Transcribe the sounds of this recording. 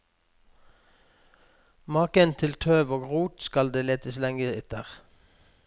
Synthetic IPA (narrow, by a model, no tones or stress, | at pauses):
mɑːkənt̪ʰɪlt̪ʰøːʋoːɡʁuːt̪skɑld̪eːleːt̪əslɛŋɡəɪt̪əʁ